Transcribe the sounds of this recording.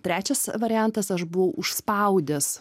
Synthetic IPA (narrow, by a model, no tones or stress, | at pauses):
t̪ʲɾʲæːt͡ʃʲɛsʋɐɾʲɪjænt̪ɐsɐʃbʊʋɐʊʊʃspɐˑʊd̪ʲɛs